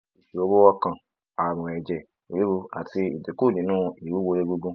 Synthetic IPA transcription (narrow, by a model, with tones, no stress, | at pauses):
i˨ʃi˨o˧wo˦wɔ˧kã˧ | a˨ɾ̃ɔ̃˨ɛ˨d͡ʒɛ˨ | o˨ɾe˦ɡu˧a̰˨ti˧i˨di˨ku˦˨dĩ˨˦nũː˦i˨wu˨˦wo˧ɾe˦ɡu˧ɡũ˦